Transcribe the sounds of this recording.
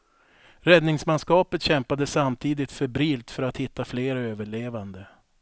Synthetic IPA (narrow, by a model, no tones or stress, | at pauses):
ɾɛd̪nɪŋsmanskɑːpət̪ɕɛmpad̪əsamt̪ʰiːd̪ɪt̪fœɾbɾiːlt̪fœɾat̪hɪt̪ːafleːɾaøːvəɭeːvand̪ə